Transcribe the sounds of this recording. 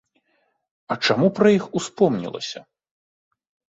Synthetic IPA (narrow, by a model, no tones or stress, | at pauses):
ɐt͡ʂamupɾɐjixuspɔmnʲḭlˠɐ̰sʲɐ